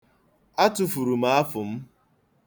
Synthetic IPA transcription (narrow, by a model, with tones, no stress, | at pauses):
a˦tʊ˨fu˨ɾu˨m̩a˨˦a˦fʊ˨m̩˦